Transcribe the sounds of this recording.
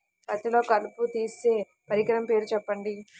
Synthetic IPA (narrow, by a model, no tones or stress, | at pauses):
pɐt̪ilo̞ːkɐluput̪iːseː | pɐɾikɐɾɐmpe̞ːɾut͡ʃɛpːɐɳɖi